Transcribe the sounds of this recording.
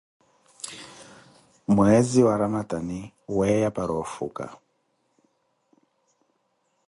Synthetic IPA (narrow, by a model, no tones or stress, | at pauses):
mwɛziwaɾamatani | wɛjapaɾɔfṵka̰